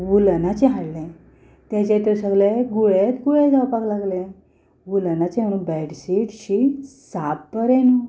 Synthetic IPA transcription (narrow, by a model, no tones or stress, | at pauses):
ʋulənat͡ɕɛɦaɽlɛ̃ | t̪jat͡ɕɛt̪əɾsəɡleɡuɭet̪ɡuɭẽd͡zawpaklaɡlẽ | ʋulənat͡ɕɛməɽ̃ũnbɛɽsiʈɕisappəɾẽnu